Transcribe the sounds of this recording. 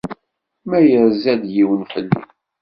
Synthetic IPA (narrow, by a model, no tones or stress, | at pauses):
mæjəɾzæd̪jiwənfəlːḭ